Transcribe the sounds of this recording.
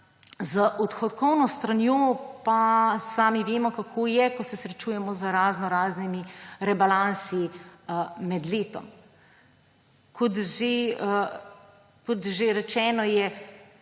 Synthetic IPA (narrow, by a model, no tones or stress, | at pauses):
zəʔɔt̪xɔt̪kɔwnɔst̪ɾanjoːpasaːmiʋeːmɔkakʰoːjɛkɔsɛsɾɛt͡ʃuːjɛmɔzəɾaːznɔɾaːznimiɾɛbalansi | mɛd̪leːt̪ɔ̰m | kʰɔt̪ʒe | kɔt̪ʒeɾɛt͡ʃɛːnɔjɛ